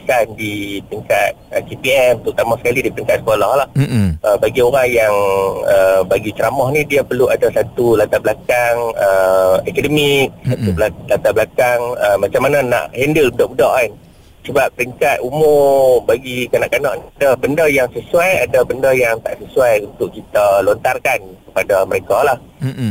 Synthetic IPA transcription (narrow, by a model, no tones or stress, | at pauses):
isandipiŋkat̪̚əkepiɛmunt̪ʊʔ̚t̪amɔhsə̥kalidipəɾiŋkat̪̚sə̥kolɔhlahəbaɡioɾaŋjaŋəbaɡit͡ʃəɾamɔhnidiapəluadasat̪ulat̪ablakaŋəɛkədəmik̚sat̪ubalat̪ablakaŋəmat͡ʃamːanana̰ʔhɛndəlbudɔʔbudɔʔan | səbap̚ɾiŋkat̪umʊbaɡikanaʔkanɔʔniadabəndəjaŋsəsuajadabəndəjaŋt̪aʔsəsuajunt̪ʊʔkit̪alont̪arkankə̥padaməɾekalah